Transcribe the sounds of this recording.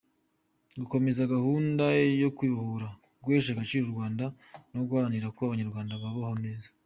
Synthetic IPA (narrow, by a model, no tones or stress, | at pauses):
ɡuko̞me̞zaɡahuːndajo̞kwiβhoɾa | ɡweːʃaɡat͡ʃiːɾoɾɡwaːnda | noɡwaːniɾakoaβaɲaɾɡwaːndaβaβahone̞ːzḁ